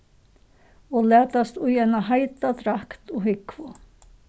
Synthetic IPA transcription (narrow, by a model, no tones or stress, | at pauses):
ɔlɛːt̪ast̪ʊjɛnaɦajt̪at̪ɾakt̪ɔɦɪkvʊ